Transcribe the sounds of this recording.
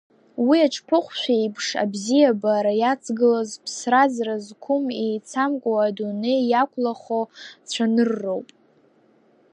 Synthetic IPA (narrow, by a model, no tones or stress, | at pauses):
wiaʈ͡ʂʰʼpʰɨχʷʃʷᶣajpʰʂa̰bzijabaːɾajat͡sʰɡɨlazpʰsrazrazkʷʰʊmejt͡sʰamkʷʼoadunejjakʷʰlaχot͡ɕʷʰanɨrːowpʼ